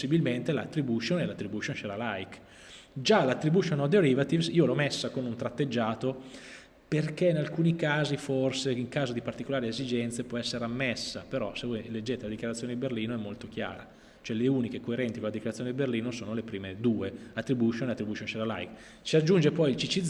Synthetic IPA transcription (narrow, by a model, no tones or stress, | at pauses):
sːibilment̪ela̰t̪ːɾibuʃonelat̪ːɾibuʃonʃelalajk | d͡ʒalat̪ːɾibuʃonod̪oɾivat̪ivsiːolɔmesːakonunt̪ɾat̪ːed͡ʒːaːt̪o | perkeinalkuːnikaːziforseiŋkaːzod̪ipart̪ikolaːɾiezid͡ʒɛnt̪sepwɔɛsːeɾeamːesːapeɾɔsevɔjled͡ʒːeːt̪elad̪ikjaɾat̪sjoned̪iberliːnoɛmːolt̪ok̟ja̰ːɾa̰ | t͡ʃoɛleuːnikekoeɾɛnt̪ikolad̪ikjaɾat̪joned̪iberliːnosoːnolepɾiːmed̪uːeat̪ːɾibuʃonelat̪ːɾibuʃonʃelala̰jk | t͡ʃiad͡ʒːund͡ʒepɔjilt͡ʃit͡ʃid̪